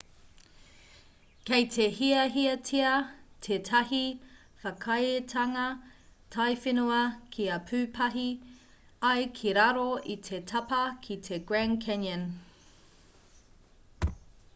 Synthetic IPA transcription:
kejtʰehiɐɦiɐtʰiɐtʰetʰɐɦi | fɐkʰɐjetʰɐŋɐ | tʰɐjfinuɐkʰiɐpʰʉːpʰɐɦi | ɐjkʰiɾɐɾoitʰe̞tʰɐpɐkʰitʰeɡ̥ɹænkʰɛnɐn

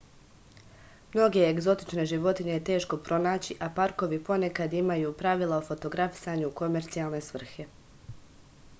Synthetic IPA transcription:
mno̞ɡe̞ːɡzo̞t̪i̥t͡ʃne̞ʒiʋo̞t̪iɲe̞jet̪e̞ːʃko̞pɾʔo̞naːt͡ɕiʔapaɾko̞ʋipo̞ne̞kad̪imajuːpɾaʋilˠaofo̞t̪o̞ɡɾafi̥saɲuko̞me̞ɾt̪sijalˠne̞sʋr̩xe̞

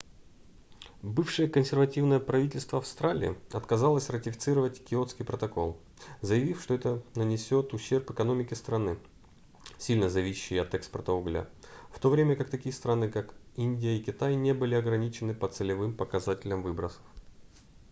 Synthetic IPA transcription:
bɨfʂɨjəkənsʲɪrvɐtʲivnəjəpɾɐvʲitʲɪlʲst̪vəɐfst̪ɾalʲɪ̰ɪ̰ɐt̪kɐzalˠəsʲrətʲɪfʲɪ̥t̪sɨɾəvətʲɪkʲɪo̞t̪skʲijpɾət̪ɐko̞lˠ | zəjɪvʲifʂt̪oɛt̪ənənʲɪsʲo̞t̪ʊɕːe̞rpɨkɐno̞mʲɪkʲɪst̪ɾɐnɨ | sʲilʲnəzɐvʲiɕːɪjɐt̪ɛkspərt̪əʊɡlʲa̰ft̪o̞vɾʲemʲəkakt̪ɐkʲijəst̪ɾanɨkakinʲdʲɪjəɪkʲɪt̪ajnʲebɨlʲɪɐɡɾɐnʲit͡ɕɪnɨpət̪sɨlʲɪvɨmpəkɐzatʲɪlʲəmvɨbɾəsə̥f

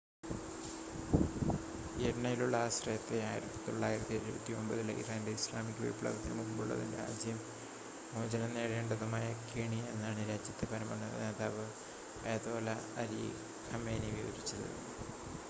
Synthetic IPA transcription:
eɽɐnɐjiluɭːɐaːɕrɐjɐt̪ːe̞aːjiɾɐt̪ːi̥t̪o̞̰ɭːaːjiɾɐt̪ːiɐɾubɐt̪ːio̞mbɐðilʔḭðaːndeislaːmikʲːʋɐ̰jipːuɭɐ̰ːɣɐt̪ːinɨmuɡɐmbuɭːɐ̰ðindea̰ːd͡ʑjɐm | moːd͡ʑɐnɐnːeːɽeːɳɖɐðumaːjɐkeːɳie̞nːaːɳiɾaːd͡ʑjɐt̪ːepɐɾɐmɐnːɐ̰neːðaːʋɨ | eːðoːlɐɐɾḭ | hɐmeːniʋiʋɐ̰ɾit͡ɕːɐlːɐ̰ð̰nːɨ

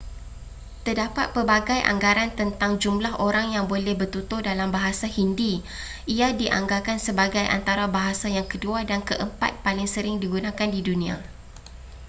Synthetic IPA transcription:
t̪ərdapa̰t̪̚pəbaɡajʔa̰ŋɡaɾant̪ənt̪aŋd͡ʒumlaɦʔoɾaŋjaŋbolɛhbərt̪ut̪ʊhdalambaɦasahindi | ʔiadiʔa̰ŋɡakansəbaɡajʔa̰nt̪aɾabaɦasajaŋkəduadankəʔəmpa̰t̪̚palɪŋsəɾɪŋdiɡunãkandidunĩa̰

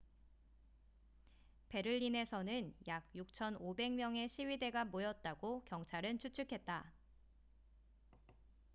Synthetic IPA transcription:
pe̞ɾɯʎːine̞sʰʌnɯnjaɡ̚juk̚t͡ɕʰʌnobe̞ŋmjʌŋe̞ɕʰiɥide̞ɡamojʌt̚t͈aɡokjʌŋt͡ɕʰaɾɯnt͡ɕʰut͡ɕʰukʰe̞t̚t͈a

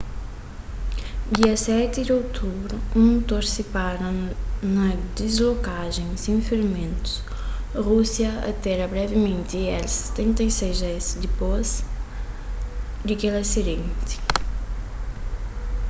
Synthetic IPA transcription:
d̪iɐsɛt̪ɪd̪owt̪ʰubɾʊũt̪oɾsipaɾɐnɐd̪izlokaʒẽŋ̃sĩŋfeɾmẽnt̪u̥s | ʁusjɐɐ̰t̪ɛɾɐbɾɛvɪmẽnt̪iɛlse̥t̪ẽnt̪ɐjsejzɛzd̪ɪpoz | d̪ɪkelɐsid̪ẽnt̪ɪ̥

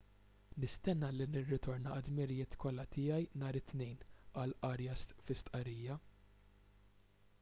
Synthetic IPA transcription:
nɪst̪ɛnːɐlinɪrːɪt̪ɔɾnɐɐd̪mɪɾɪjɪːt̪kɔlːɐt̪ɪːjɐjnɐːɾɪt̪nɛjnɐlʔɐɾjɛsfɪst̪ʔɐɾiːjɐ

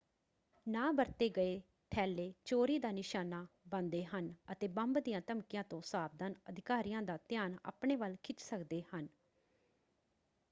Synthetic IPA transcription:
nãːbəɾt̪eːɡəeː | t̪ʰɛːleːt͡ʃoːɾiːd̪aːnɪʃaːnaːbənd̪eːɦənət̪eːbəmbd̪ijãːt̪əmkɪjãːt̪õːsaːb̚d̪ənəd̪ʱɪkaːɾijãːd̪aːt̪jaːna̰ːpɳeːʋəlkʰɪt͡ʃsəkd̪eːhən

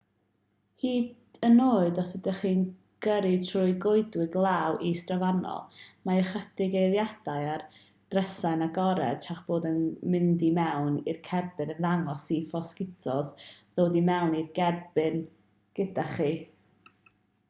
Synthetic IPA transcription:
hiːd | ənoːɨdɔsɛdɛχiːn | ɡ̥əɾɨtʰrʊːɨɡʊɨdwɪɡlˠaːwʔistrɔvanɔ̰lˠmaəχədɪɡejðjad̥ajar | d̥rɛsajnaɡɔɾɛ̰d̥̚tʰaχb̥oːdənmɪndimɛwnirkʰɛrbɨnənðaŋɔsifɔskɪtʰɔððoːdimɛwnirɡɛrbɨn | ɡ̥ədaχiː

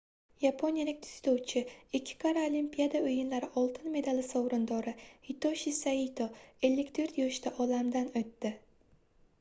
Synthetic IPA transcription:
japʰonijalɪk̚ʲt̪ʰɪ̥zt̪ʰowt͡ʃʰɪɪkʲʰːɪ̥kʰaɾaolimpʲijad̪aɵjɪnlaɾɪʔɒlˠt̪ʰɪnme̞d̪alɪsɒwɾɪnd̪ɒɾɪhit̪oʃisait̪ʰoe̞lːɪkʲt̪ʰoɾt̪jɒʃt̪ʰaʔɒlamd̪anɵt̪ːɪ

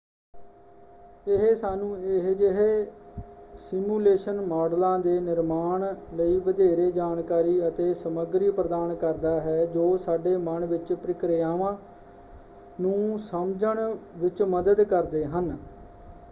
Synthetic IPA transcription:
ɪɦsaːnũːeɦd͡ʒɪɦe | sɪmjuːleːʃənmaːɖlãːd̪eːnɪɾmaːɳləiːʋəd̪eːɾeːd͡ʒaːnkaːɾiːət̪eːsəməɡɾiːpɾəd̪aːnkəɾd̪aːɦɛːd͡ʒoːsaːɖeːməɳʋɪt͡ʃpɾɪkɾɪjaːʋãː | nũːsəmd͡ʒəɳʋɪt͡ʃməd̪əd̪kəɾd̪eːɦən

